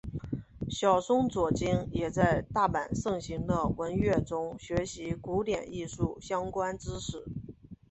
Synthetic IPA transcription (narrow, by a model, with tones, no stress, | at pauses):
ɕjɑ˨˩ʊsʊ˥ŋt͡swɔ˨˩t͡ɕi˥njɛ˨˩t͡sa˥˧ɪt̪a˥˩pa˨˩nʂɤ˥˩ŋɕi˧˥ŋd̪ə˧wə˧˥nɥɛ˥˩ʈ͡ʂʊ˥ŋɕɥɛ˧˥ɕi˧˥ku˧˥t̪jɛ̰˨˩ni˥˧ʂu˥˩ɕjɑ˥ŋkwa˥nʈ͡ʂɻ̩˥ʂɻ̩˨˩˦